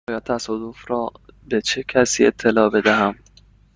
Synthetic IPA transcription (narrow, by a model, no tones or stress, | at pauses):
ɒːjɒːt̪ʰːæsɒːd̪o̞fɾɒːbe̞t͡ʃʰecʰæsiːe̞̰t̪ʰːe̞lɒːbe̞d̪æɦæm